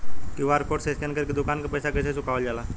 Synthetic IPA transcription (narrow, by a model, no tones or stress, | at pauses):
kiwaɾkoʈseskɛnkəɾkid̪ukankəpəjsakəs̬esukawəld͡ʒala